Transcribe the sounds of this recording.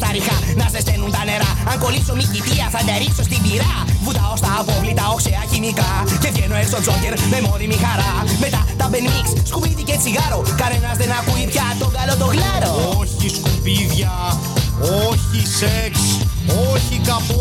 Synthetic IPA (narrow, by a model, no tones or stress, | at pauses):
t̪ɐɾixɐnɐzðest̪enunt̪ɐne̞ɾɐɐŋko̞liso̞micit̪iɐθɐt̪ɐɾikso̞st̪ibiɾɐ | vut̪ɐost̪ɐːpo̞vlit̪ɐokseɐçinikɐce̞vʝenoest̪ozoceɾmemoɾimixɐɾɐme̞t̪ɐt̪ɐbe̞nmiksskumiðicet͡siɣɐɾo̞kɐnenɐzðenɐkuipçɐt̪oŋɡɐlot̪oɣlɐɾo̞ooçiskupiðʝɐ | oçiseksoçikɐp